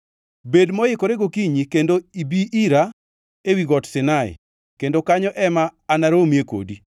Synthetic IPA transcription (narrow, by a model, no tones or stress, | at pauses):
bedmɔjɪkoɾeɡokiɲikendoibiʔiɾa | ewiɡɔtsɪnaɪ̰ | kendokaɲɔʔɛmaːnaɾomjeko̰di